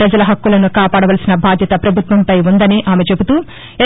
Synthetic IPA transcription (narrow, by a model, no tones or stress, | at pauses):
ɾɐd͡ʒɐlɐɦɐkːulɐnukaːpaːɽɐʋɐlɐsinɐbʱaːd̪ʱjɐt̪ɐpɾɐbʱut̪ʋɐmpɐjund̪ɐniʔaːmet͡ʃe̞but̪uː | e